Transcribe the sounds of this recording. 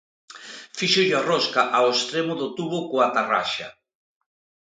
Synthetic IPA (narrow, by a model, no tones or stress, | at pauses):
fiʃʊʎaroskaʔawest̪ɾemʊðʊt̪uβʊkoat̪ara̰ʃa